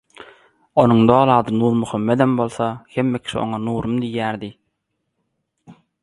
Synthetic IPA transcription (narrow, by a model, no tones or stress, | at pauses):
onuŋd̪oːlˠɑːd̪ɯnuːɾmuxomːed̪embo̞lˠθɑhemːe̞kʲʰi̥ʃio̰ŋɑnuːɾumd̪ijːæːɾd̪i